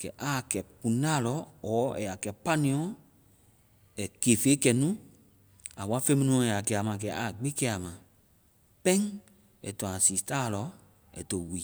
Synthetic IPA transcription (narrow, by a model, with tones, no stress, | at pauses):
kɛ̰˨ʔa˨˦˨kɛ˨pũ˨nãː˦˨lɔ˦ɔː˨˦ɛ̰˨ja˨kɛ˨pa˦nĩ˧˦ɔ̃˨˦ | ɛ˨keː˨fe˨˦kɛ˨nũ˦ | a˨wa˦fe˦mĩ˦nũ˧ɔ̃˨˧ɛ˨a˨kɛ˧˨a˨mã˨k̬ɛ˨a˨ɡ͡bi˦kɛ˦˧˦a˨mã˨ | pɛ̃˦ŋ˦ | ɛ̰˨tɔ̃˨ã˨siː˨taː˦˨lɔ˧˦ | ɛ̰˨to˨wiː˨